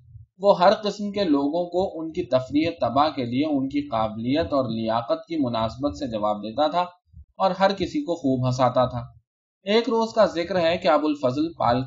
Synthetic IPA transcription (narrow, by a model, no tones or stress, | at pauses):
ʋoɦɐɾqɪsmkeloːɡõkoʔʊnkit̪ɐfɾiːɦet̪ɐbaɦkelieʊnkiqaːblijət̪ɔːɾlɪjaːqət̪̚kimʊnaːsbət̪sed͡ʒɐʋaːb̚d̪eːt̪at̪ʰaː | ɔːɾɦɐɾkɪsikoxuːbɦɐs̬aːt̪at̪ʰaː | eːkɾoːzkazɪkɾɦɛkeɐbʊlfɐzlpa̰ːl